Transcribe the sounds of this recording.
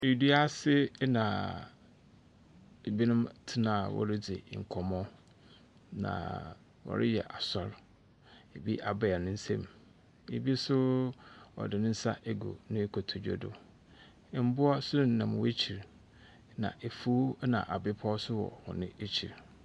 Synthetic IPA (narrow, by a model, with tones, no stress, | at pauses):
ji˨di˦a˦sɪ˦nã˨ | e˨bi˦nʊ̃˦mtʰɪ˦nã˨wɔ̰˨ɾɪ˦d͡zḛ˨ŋ̩˨kʰɔ˨mɔ̃˦ | nã̰˨ | wɔ̰˨ɾɪ̰˦jɛ̰˨ʔa˨sɔ˦ɾ | e˨bi˦ʔa˨bɛ˨ɛ˨nʊ̃˦n̩˦sɛ̃˦˨m | ḛ˨bi˦sʊ˦ | ɔ̰˨dɪ˨nɪ̃˦n̩˦sa˦ʔe˨ɡo̰˨nʊ̃˦e˦kʰo˨tʰo˨d͡ʑᶣo̰˦dʊ̰˨ | m̩˦bʊ˦a˦sʊ˦nʊ̃˦n̩ː˨ã˨m˨we˦t͡ɕʰi˨ɾ | nã̰˨ʔe˨fu˦nã̰˨ʔa˨bɪ˦pʰɔ˦sʊ˦wɔ̰˨hʊ̰̃˨nɪ̃˦e˦t͡ɕʰi˨ɾ